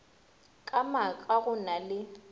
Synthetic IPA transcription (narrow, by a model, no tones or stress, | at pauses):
kʼamakʼaɣʊnalɪ